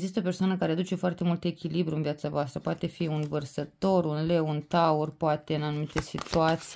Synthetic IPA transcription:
zist̪əope̞rsoanəkaɾe̞ad̪ut͡ʃe̞foart̪e̞mult̪e̞kʲilibɾuɨnviat̪savoast̪ɾəpoat̪e̞fiunvərsət̪o̞ɾunlewunt̪aurpoat̪e̞ɨnanumit̪esit̪uat̪si

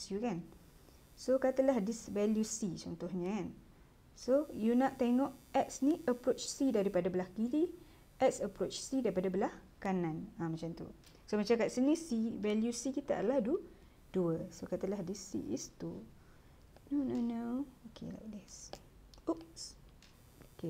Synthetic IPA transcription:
sjukan | sokat̪əlahdisvɛljusit͡ʃɔnt̪ɔhɲəkan | sojunaʔt̪eŋɔʔɛk̚sniʔəpɾot͡ʃsidaɾipadabəlahkidi | ɛk̚səpɾot͡ʃsidaɾipadabəlahkanãnamat͡ʃant̪ṵ | somat͡ʃamkaʔsinisivɛljusikit̪aʔa̰d̪lahdu | duəsokat̪alahdisḭʔḭst̪u | nononookʰḛla̰k̚d̪ɛs | uʔs | oke

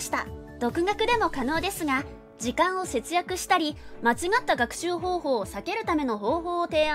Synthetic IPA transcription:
ɕi̥t̪a | d̪̥o̞kɯ̟ɡakɯ̟d̪e̞mo̞kano̞ːd̪e̞sɨɡa | ʑikãɰ̃o̞se̞t͡sɨjakɯ̟ɕi̥t̪aɾʲimat͡ɕiɡat̪ːaɡakɯ̟̥ɕɨːɦo̞ːho̞ːsake̞ɾɯ̟t̪ame̞no̞ɦo̞ːɦo̞ːt̪e̞ːa

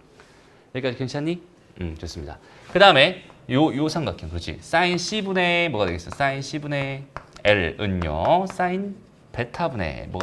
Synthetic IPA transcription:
jʌɭk͈ad͡ʑikeŋt͡ɕʰaɲːi | ɯmt͡ɕos͈ɯmɲida̰kɯdaɯme̞jojosʰaŋɡakʰikɯɾʌt͡ɕʰḭs͈ainɕʰibune̞mwʌɣadeɡes͈ʌs͈ainɕʰibune̞eɾɯɲjʌ̰s͈ain | pe̞tʰabune̞̰mwʌ̰ɡ

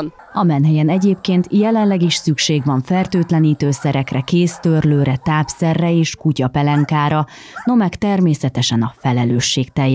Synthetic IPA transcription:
ɒmɛnɦɛjɛnɛɟeːpkeːnt̪jɛlɛnlɛɡiʃsykʃeːɡʋɒɱfɛrt̪øːt̪lɛniːt̪øːsɛɾɛkrɛkeːst̪ørløːɾɛt̪aːpsɛrːɛeːʃkucɒpɛlɛŋkaːɾɒ | no̞mɛkt̪ɛrmeːsɛt̪ɛʃɛnɒfɛlɛløːʃːeːkt̪ɛjɛ

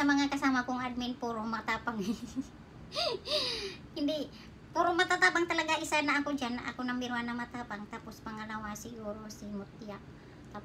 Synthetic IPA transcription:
amaŋakasamakuŋad̚minpuɾuhmat̪apaŋ | indi | puɾuhmat̪at̪apaŋt̪əlaɡaisanaːkud͡ʒanaʔakunambiɾuanamat̪apaŋt̪apuspaŋalawasiɡuɾursihmut̪iaʔ̚ | t̪a

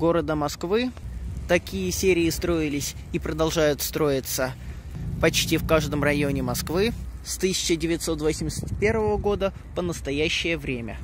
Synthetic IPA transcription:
ɡo̞ɾəd̪əmɐskvɨt̪ɐkʲijəsʲeɾʲɪɪst̪ɾo̞ɪlʲɪsʲ | ipɾəd̪ɐlˠʐajʊt̪st̪ɾo̞jɪt̪sə | pɐt͡ɕtʲifkaʐd̪əmrɐjo̞nʲɪmɐskvɨst̪ɨsʲɪ̥t͡ɕɪdʲɪvʲɪt̪so̞t̪vosʲmʲɪsʲət̪ʲpʲe̞rvəvəɡo̞d̪ə | pənəst̪ɐjæɕːɪjəvɾʲemʲə̰

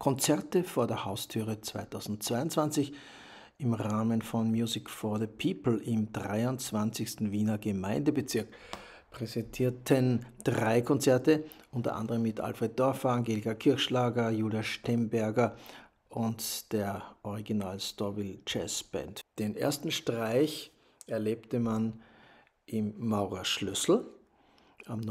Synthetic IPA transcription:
kʰɔnt͡sɛɐtəfoːɐdeːɐhaʊstʰyːʁət͡sv̥a̰ɪtʰaʊzn̩t̚t͡sv̥aɪʊntt͡sv̥ant͡sɪç | ɪmʁaːmənfɔnmjuːzɪkfɔːɐðəpʰiːpl̩ɪmdʁaɪʊnt͡sv̥ant͡sɪçstn̩viːnɐɡəmaɪndəbət͡sɪɐk | pʁ̥ɛzɛntʰiːɐtʰənd̥ʁaɪkʰɔnt͡sɛɐtə | ʔʊntɐ̰ʔã̰ndəʁəmːɪtʔa̰lfʁet̚d̥ɔɐfɐaŋɡeːlɪkɐkʰɪɐçʃlaːɡɐjuːljaʃtɛmbɛɐɡɐ | ʔʊntd̥eːɐʔɔʁiɡinaːlstɔbilt͡ʃɛ̰sb̥ɛ̰ntd̥enʔḛːɐstn̩ʃtʁ̥aɪç | ɛɐleːptəman | ʔɪmːaʊʁɐʃlʏsl̩ | amn

